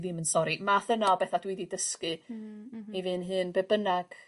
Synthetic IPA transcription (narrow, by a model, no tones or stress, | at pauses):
ðɨmənsɔɾimaθənalˠbɛθadwididəskɨ | ivɨːnɦɨːnbɛbənaɡ̥